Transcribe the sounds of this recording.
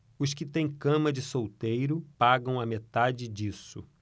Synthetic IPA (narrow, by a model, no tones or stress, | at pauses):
ʊskɪt̪ẽj̃kɐ̃mɐd͡ʒɪsowt̪ejɾʊpaɡɐ̃w̃ɐmet̪ad͡ʒɪd͡ʒisʊ̰